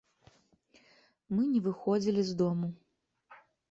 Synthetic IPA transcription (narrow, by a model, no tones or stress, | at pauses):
mɨnʲɛvɨxɔd͡zʲilʲizd̪ɔmu